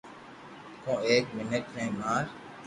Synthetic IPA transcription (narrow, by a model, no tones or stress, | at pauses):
kõːeːk̚mɪnəʈnɛĩːmaːɾ